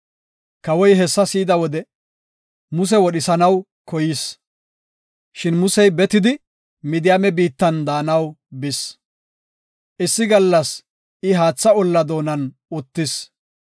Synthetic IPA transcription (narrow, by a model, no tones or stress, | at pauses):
kɐwɔjɦɛsːɐsiːd̪ɐwɔd̪ɛ | mʊs̬ɛwɔɗɪsɐnɐw | kɔjɪs | ʃɪnmʊsɛjbɛt̪ɪd̪ɪ | mɪd̪ɪjaːmɛbiːt̪ːɐnd̪aːnɐwbɪs | ʔɪsːɪɡɐlːɐs | ɪɦaːt͡sːɐɔlːɐd̪o̞ːnɐn | ʊt̪ːɪs